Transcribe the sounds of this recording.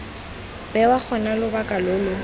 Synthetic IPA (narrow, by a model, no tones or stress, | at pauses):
bɛwak͡xʰɔnalʊbakʼalʊːlʊ